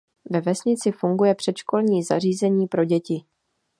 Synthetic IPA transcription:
vɛvɛsɲɪt͡sɪfuŋɡujɛpr̝̥ɛt̪ʃko̞lɲiːza̰r̝iːzɛɲiːpɾo̞ɟɛcɪ

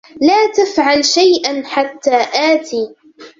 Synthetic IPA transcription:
laːt̪afʕalʃajʔanħat̪ːaːʔaːt̪iː

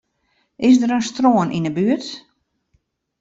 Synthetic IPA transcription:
ɪs̬dəɾənstroənʔinəbyət

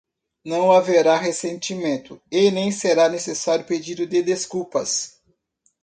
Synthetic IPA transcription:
nɐ̃w̃aveɾaɦesẽnt͡ʃimẽnt̪ʊenẽj̃seɾanesesaɾjʊped͡ʒid̪ʊd̪ɪd̪eskupɐs

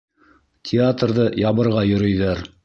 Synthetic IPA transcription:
tʲʰɪat̪rðɤjɑβɤ̆ɾʁɑjɵ̆ɾɵ̆jðæɾ

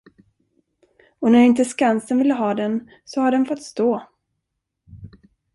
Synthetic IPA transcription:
ɔnæɾɪnt̪əskansənvɪlːəɦɑːd̪ɛn | sɔhaɖɛnfɔt̪ːst̪oː

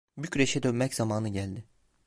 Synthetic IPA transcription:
bycɾeʃɛd̪ønmɛcz̥amaːnɯɟælʲd̪ɪ

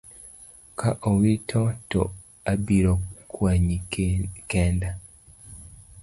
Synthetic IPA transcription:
kʰaʔowitʰoto̰ | abiɾokʰwaɲikeːnda

